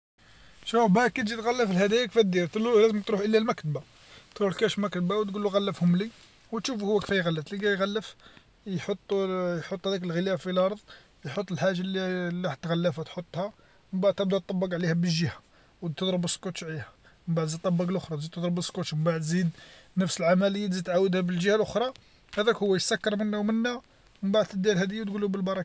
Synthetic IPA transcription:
ʃæbækːæt̪ʒit̪ɣælːəfəlhæd̪æjækfæt̪̚d̪iɾt̪lːulæzəmt̪ɾuħʔəlːælmækt̪ba | t̪ɾuħlkæʃfmækt̪bawt̪ɡulːuɣælːəfhʊmli | wt̪ʃufhʊwːækfæjɣælːət̪liɡæjɣælːəf | jħot̪ˤːjħot̪ˤːhæd̪ækəlɣəlæfilʔɑɾˤðˤ | jħot̪ˤːəlħaʒalilːit̪ɣælːəfhæt̪ħot̪ˤːhɑæ | məmbaʕd̪̚t̪əbd̪æt̪ˤːɑbːɑɡʕlihæbəʒəhæ̥ | w̪əd̪ˤɾəbəskot̪ʃʕlihæ | məmbaʕd̪zid̪t̪ːˤɑbːɑɡlʔʊxɾˤɑzid̪̚t̪əd̪ˤɾəbəsːkot̪ʃməmbaʕəd̪zid̪nəfsəlʕamæləjːat̪zid̪t̪ʕawəd̪hæbəlʒəhælʔʊxɾˤɑ | hæd̪ækhʊwːæjəsækːɑɾˤmənːæwmənːæ | məbaʕd̪t̪əd̪ːiɾhæd̪əjːæwt̪ɡulubəlbɑɾˤɑkɑ

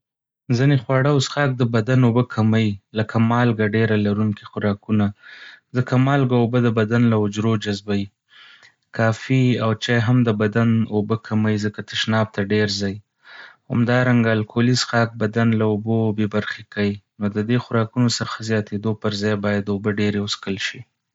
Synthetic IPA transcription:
zinexwɑɽaosxɑk̚d̪əbad̪anobəkʰamajiləkʰamɑlɡaɖeɾalaɾuŋkixʊɾɑkunazəkamɑlɡaobəd̪əbad̪anlaʊd͡ʒɾod͡ʒazbawi | kʰɑfiawt͡ʃɑjɦamd̪əbad̪anobəkʰamajzəkat̪ɪʃnɑb̚t̪aɖeɾzɑj | ha̰md̪ɑɾaŋɡalkʰolizxɑk̚bad̪anlaobobebaɾxekajinod̪əd̪exʊɾɑkunosəxazjɑt̪ed̪opəɾzɑjbɑjad̪obəɖeɾeʊskəlʃi

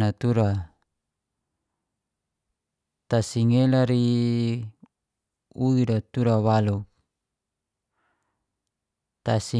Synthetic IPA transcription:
at̪uɾa | t̪asiŋelaɾi | uidat̪uɾawaluk̚ | t̪asi

